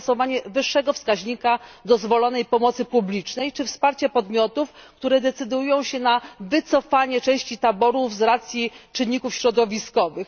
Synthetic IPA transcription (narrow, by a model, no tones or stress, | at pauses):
sɔvaɲɛvɘʂːɛɡɔfskaʑɲikad̪ɔzvɔlɔn̪ɛjpɔmɔt̪sɘpublʲit͡ʂnɛjt͡ʂɘfspaɾt͡ɕɛpɔd̪mʲjɔt̪ufkt̪uɾɛd̪ɛt̪sɘd̪ujɔ̃w̃ɕɛnavɘt̪sɔfaɲɛt͡ʂɛ̃w̃ɕt͡ɕit̪abɔɾuvzɾat̪sʲjit͡ʂɘnːikufɕɾɔd̪ɔvʲiskɔvɘx